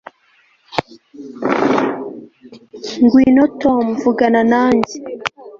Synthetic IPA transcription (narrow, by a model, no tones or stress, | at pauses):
ŋɡwiːnotomvuɡananaːɲɟe